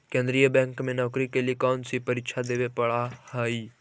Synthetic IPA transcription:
kẽːnd̪ɾijəbɛ̃ːŋkmẽnɔːkɾikeliekɔːnsipɐɾɪkʃʰad̪eːʋepɐɽahaːi

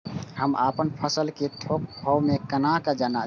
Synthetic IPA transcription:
həmʔapənpʰəsəlket̪ʰok̚bʱɔwmekənakad͡ʒana

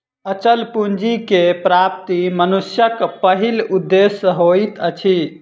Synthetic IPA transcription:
ət͡ʃəlpund͡ʒikepɾap̚t̪imənusjəkpəɦilud̪ːesəɦoit̪ət͡ʃʰi

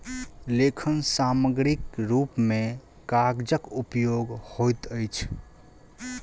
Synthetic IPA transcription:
lekʰənsaməɡɾikɾupme | kaɡd͡ʒəkupjoɡhojt̪əjt͡ʃʰ

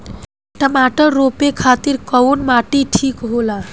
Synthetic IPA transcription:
ʈəmaʈəɾːopekʰat̪iɾkəwnmaʈiʈʰikɦola

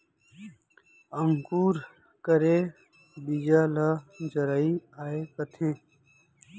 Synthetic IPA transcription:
əŋkuːɾ | kəɾeː | biːd͡ʒaːlad͡ʒəɾaːiːaːeːkət̪ʰeː

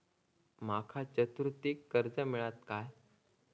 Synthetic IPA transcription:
makʰat͡ɕət̪ɾut̪ikːəɾd͡zəmiɭat̪kaj

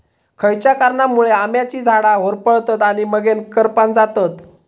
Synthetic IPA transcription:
kʰəjt͡ɕjakaɾɳamuɭeamjat͡ɕiːd͡zʱaɽaɦoɾpəɭt̪ət̪aɽ̃iməɡenkəɾpand͡zat̪ət̪

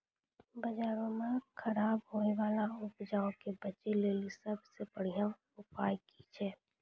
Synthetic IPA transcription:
bəd͡ʒaːɾõmẽkʰəɾaːbɦoːeʋaːlaʊpd͡ʒaːõkebət͡ʃeleːlisəbsebəɽ̤ijã | ʊpaːjkit͡ʃʰɛː

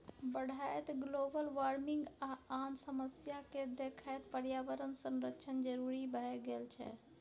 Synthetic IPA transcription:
bəɽ̤ʱaet̪ɡlobəlʋaɾmiŋɡaansəməsjaked̪ekʰajt̪pəɾjaʋəɾənsə̃nɾəkʃʰənd͡ʒəɾuɾibʱɛɡelt͡ʃʰɛ̰

